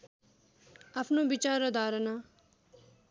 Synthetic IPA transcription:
apʰnõːbɪt͡ʃaːɾəd̪aːɾənaː

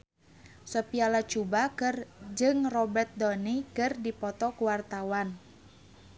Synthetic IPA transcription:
sɔpialat͡ʃubakɨrd͡ʒɨŋrɔbɛrt̪̚dɔnikɨrdipɔt̪ɔkuwart̪awan

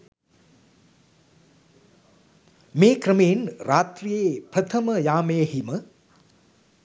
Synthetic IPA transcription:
meːkɾəmeinɾaːt̪rijepɾət̪ʰɐməjaːmeːɦimə

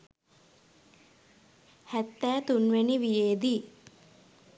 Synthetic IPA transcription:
hæt̪ːæːt̪unʋeniʋijeːd̪i

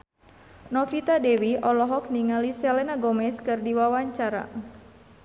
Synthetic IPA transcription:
nɔfit̪adɛwiʔɔlɔɦɔk̚niŋalisɛlɛnaɡɔmɛskɨrdiwawaɲt͡ʃaɾa̰

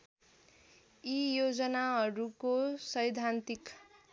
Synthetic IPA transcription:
ijod͡zʌnaɦʌɾukosʌjd̪ʱant̪ik

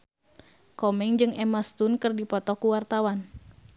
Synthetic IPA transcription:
kɔmɛŋd͡ʒɨŋɛmast̪unkɨrdipɔt̪ɔkuwart̪awan

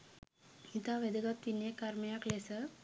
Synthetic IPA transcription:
it̪aʋɛd̪əɡat̪ʋinjekaɾməjaklesə

